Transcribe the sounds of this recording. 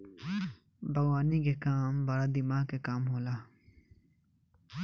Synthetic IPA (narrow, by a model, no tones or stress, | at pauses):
bɐɣwaːnikekaːmbɐɾad̪ɪmaːɦkekaːmɦoːlaː